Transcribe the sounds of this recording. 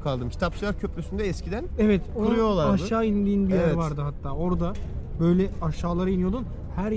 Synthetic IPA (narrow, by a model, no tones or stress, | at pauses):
kʰalˠd̪ɯmcʰi̥t̪ʰapʃlˠaɾcʰøplʲysynd̪ɛɛscid̪ænevɛt̪ojolˠaɾaʃɯaːind̪iːnbijæɾvaɾd̪ɯɦat̪ʰːaːo̞ɾd̪abø̞jlʲɛaʃaːlˠaɾɯinijo̞d̪un | hæɾ